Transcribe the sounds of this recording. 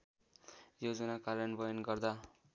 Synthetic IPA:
jod͡zʌnakaɾjʌnbʌjʌnɡʌrd̪a

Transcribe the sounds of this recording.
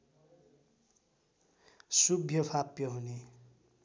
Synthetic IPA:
subʱjʌpʰapjʌɦuni

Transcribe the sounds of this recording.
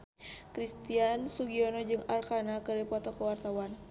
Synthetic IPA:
kɾist̪iansuɡiɔnɔd͡ʒɨŋarkanakədipɔt̪ɔkəwart̪awan

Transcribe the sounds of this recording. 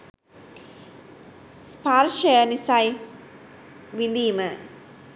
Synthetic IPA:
spaɾʃɐjɐnisaj | ʋind̪iːmə

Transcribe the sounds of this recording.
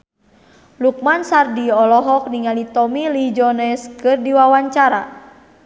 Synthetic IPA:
luk̚mansardiɔlɔɦɔk̚niŋalit̪ɔmilid͡ʒɔnɛskɨrdiwawaɲt͡ʃaɾa

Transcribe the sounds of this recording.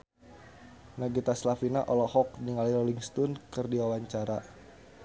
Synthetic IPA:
naɡit̪aslafinaʔɔlɔhɔk̚niŋalilɔliŋst̪unkɨrdiwawaɲt͡ʃaɾa

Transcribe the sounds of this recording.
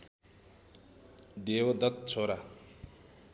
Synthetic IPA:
d̪eːwʌd̪ʌt̪̚t͡sʰoːɾa

